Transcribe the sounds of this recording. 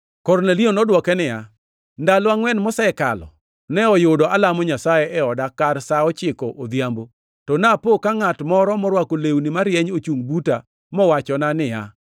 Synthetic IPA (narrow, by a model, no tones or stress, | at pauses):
kɔrnelionɔdwɔkɛnɪja̰ | ndalɔaŋwɛnmɔsɛɛka̰lɔ̰ | nɛɔjʊdɔalamɔɲasajɛʔɛɔdakarsaɔt͡ʃɪkɔʔod̪jambo | tɔnapokaŋatmɔɾɔmɔɾwakolewnɪmaɾjɛɲot͡ʃuŋbuta | mɔwat͡ʃɔnanɪja̰